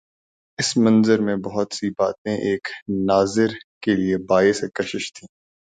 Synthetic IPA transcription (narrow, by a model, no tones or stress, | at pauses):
ɪsmɐ̃nzəɾmẽbɐɦʊt̪sibaːt̪ẽʔeːknaːzɪɾkeliebaːesekɐʃɪʃt̪ʰĩː